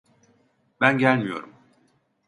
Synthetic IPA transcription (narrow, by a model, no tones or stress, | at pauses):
bænɟælʲmijo̞̰ɾum